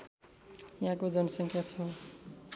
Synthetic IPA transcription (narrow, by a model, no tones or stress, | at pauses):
jaɦãkod͡zʌnʌsʌŋkʰjat͡sʰʌ